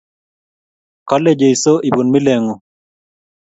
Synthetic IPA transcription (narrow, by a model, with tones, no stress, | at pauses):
kɔ˦le˦d͡ʒe˨i˨so˦ʔi˨bo˨nmi˦le˨ŋo˨